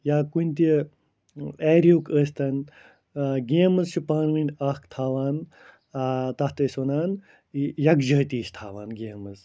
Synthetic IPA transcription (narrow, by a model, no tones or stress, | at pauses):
jaːkunʲt̪i | ɛːɾʲuːkəːst̪ɐn | ɡeːmɐzʃupaːnʋinʲakt̪ʰaːʋaːn | t̪ɐht̪ɐsonaːn | jɐkd͡ʒɐːt̪iːst̪ʰaːʋaːnɡeːmɐz